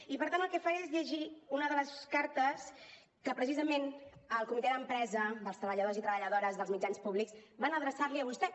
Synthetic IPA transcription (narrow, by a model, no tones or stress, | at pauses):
ipəɾt̪anəlˠkɛfaezʎəʒiunəðələskaɾt̪əs | kəpɾəsizəmenəlˠkumit̪ɛðəmpɾɛzəðəlˠst̪ɾəβəʎəð̞ozit̪ɾəβəʎəðoɾəzðəlzmid͡ʒanspuβliksβanəðɾəsaɾliəβ̞ust̪ɛ